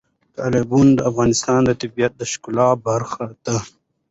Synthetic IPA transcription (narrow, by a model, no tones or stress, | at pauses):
t̪aːlibund̪əafɣɑːnɪst̪ɑːnd̪ət̪abijɐt̪̚d̪əʃkʊlɑːbaɾxat̪a